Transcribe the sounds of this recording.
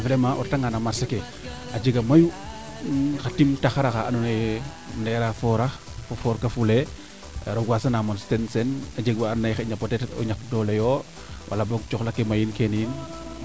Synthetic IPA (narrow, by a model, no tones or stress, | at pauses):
flemaʔɔ̰ɾtaŋanamaɾseke | ad͡ʒeɡamaju | xatimtaxaɾaxaʔanunaj | nɛɾafɔɾafofɔɾkafulḛ | ɾoɡʷwasanamonstensenad͡ʒeɡwaannajxeɲapoteto̰ɲak̚dɔlejɔ | wʔa̰laboɡt͡ʃɔxlakemajinkeniin